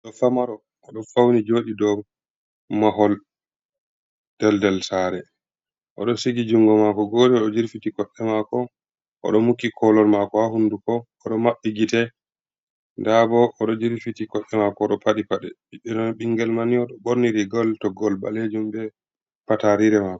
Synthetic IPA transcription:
ɔɗɔfamaɾɔː | ɗɔfawnid͡ʒoːɗidɔ | maɦɔl | d̥ɛldɛlsaːɾɛ | ʔɔ̰ɗɔsiɡid͡ʒuŋɡɔmakɔɡoːɗiɔɗɔd͡ʒiɾfitikɔɗːɛmakɔ | ʔɔ̰ɗɔmukːikʰɔlɔɾmakɔhahundukɔː | ɗɔmaɓːiɡitɛ | ndabɔʔːɗɔd͡ʒiɾfitikɔɗːɛmakɔːɗɔpaɗipaɗɛɓiɗɛnɔnɓiŋɡɛlmaniɔɗɔɓoɾniɾiɡɔltɔɡɔlba̰led͡ʒumbɛ | pataɾiɾɛmakɔ̥

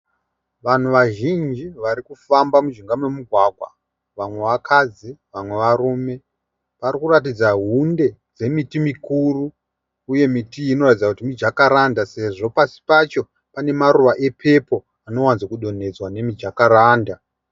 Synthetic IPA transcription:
ʋan̤uʋaʒind͡ʒiʋaɾikufambamud͡ʒiŋɡamwemuɡʱwaɡʱwa̰ | ʋamwe̞ʋakʰad͡ziʋamwe̞ʋaruːme̞ | ʋarikurat̬id͡zaɦunde̞d͡ze̞mitimikuruː | je̞mitiːno̞ratid͡zakutimid͡ʒakaɾandase̞ʐo̞pasi̥pat͡ʃo̞ | pane̞maɾuʋaʔe̞pʰe̞po̞ | ano̞wanzakuɗo̞n̤e̞d͡zwane̞mid͡ʒakaɾaːnda

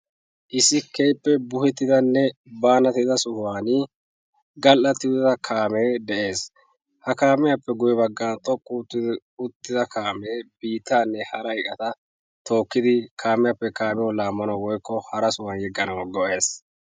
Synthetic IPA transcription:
ʔɪsːɪkejpːɛbʊhɛt̪ːɪd̪ɐnːɛbaːnɐt̪ɪd̪ɐsʊhaːnɪ | ɡɐlʔːɐt̪ːɪɪd̪ɐkʰaːmeːd̪ɛʔe̞ːs | hɐkaːmɪjɐpːɛɡʊjɛbɐɡːaːnt̪ʼɔkʼːut̪ːɪd̪ | ʊt̪ːɪd̪ɐkaːmeːbiːt̪ːaːnːɛhɐɾɐɪkʼɐt̪ɐ | t̪o̞ːkːɪd̪ɪkʰaːmɛjapːɛkaːmɛjɔlaːmːɐnɐwwɔjkːɔhɐɾɐsʊwɐnjɛɡːɐnɐwɡɔʔe̞ːs

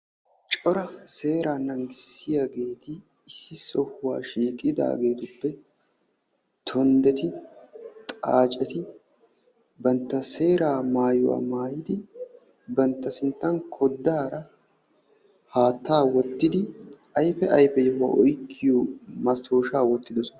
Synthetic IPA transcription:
t͡ʃʼɔɾɐse̞ːɾaːnɐŋɡɪsːɪjaːɡe̞ːt̪ɪː | sːɪsɔhʊwa̰ːʃiːkʼːɪd̪a̰ːɡe̞ːt̪ʊpːɛ | t̪ʰɔnd̪ɛt̪ɪ | t̪ʼaːt͡ʃʼɛt̪ɪ | bɐnt̪ːɐse̞ːɾaːmaːjʊwa̰ːmaːjɪd̪ɪ | bɐnt̪ːɐsɪnt̪ːɐnkʰɔd̪ːaːɾɐ | haːt̪ːaːwɔt̪ːɪd̪ɪʔɐjfɛʔɐjfɛjɛwa̰ːʔɔjkʰːɪjɔmɐst̪ʰːoːʃaːwɔt̪ːɪd̪ɔsɔ

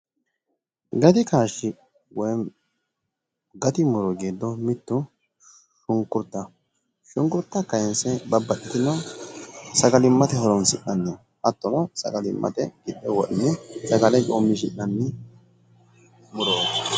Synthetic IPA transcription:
ɡɐt̪ɪkaːʃːɪ | wɔj | ɡɐt̪ɪmʊɾɔɡeːd̪ːɔmɪt̪ːʊ | ʃʊŋkːʊɾt̪ːɐ | ʃʊŋkʊɾt̪ːɐkɐjɛnsɛbɐbːɐʔːɪt̪ɪnɔ | sɐɡɐlɪmːɐt̪ɛɦɔɾɔnsɪʔɐnːɛ | ʔɐt̪ːɔnɔsɐ̰ɡɐlɪmːɐ̰t̪ɛɡɪɗɛwɔʔɪnːɛsɐɡɐlɛkʼoːmːɪʃ̬ɪ̰ʔɐnːɪ | mʊɾoːd̪

